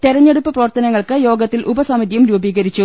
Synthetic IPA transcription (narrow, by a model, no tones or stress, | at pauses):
t̪iɾɐɲːe̞ɽupːɨprɐʋɐrt̪ɐnɐŋːɐɭkɨjo̞ːɡɐt̪ːilʔubɐsɐmiðijumɾuːbiːɣɐɾit͡ɕːu